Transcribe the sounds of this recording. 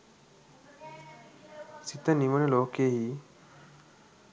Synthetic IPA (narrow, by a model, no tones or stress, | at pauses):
sit̪ənimənloːkeɦi